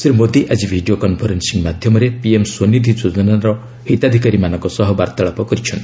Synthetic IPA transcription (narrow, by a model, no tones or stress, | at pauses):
sebmod̪iʔad͡ʒibʱiɖijokɔnpʰɔɾensiŋmad̪ʱjɔmɔɾepiemswonid̪ʱid͡ʒod͡ʒɔnaɾɔ | hit̪ad̪ʱikaɾimanɔ̃ŋkɔsɔɦɔbaɾt̪aɭɔpɔkɔɾit͡ʃʰɔnt̪i̥